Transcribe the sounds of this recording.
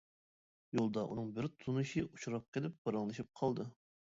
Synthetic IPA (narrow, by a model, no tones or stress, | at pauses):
jolˠd̪ɑʔṵnɨŋbɪɾt̪ʰunɨʃiʔut͡ʃuɾɑp̚qʰelɪp̚b̥ɑɾɑŋlˠɨʃip̚qʰɑlˠd̪ɨ